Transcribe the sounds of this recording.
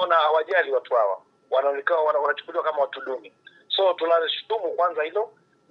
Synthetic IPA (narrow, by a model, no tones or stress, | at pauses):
ɔnaawaʄaliwatuha̰wa̰ | wananikawawanat͡ʃu̥kuliwakamawatulumi | sɔtunaliʃu̥tumukwanzahilɔ